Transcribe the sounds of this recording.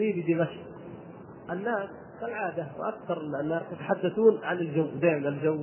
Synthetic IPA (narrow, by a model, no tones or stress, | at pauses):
liːbid̪ɪmaʃq | ʔɪnːaːs | kalʕaːd̪awʔakθɑɾˤɪnanːaːst̪at̪aħad̪ːaθuːnʕanɪld͡ʒawːd̪aːɪmanald͡ʒaw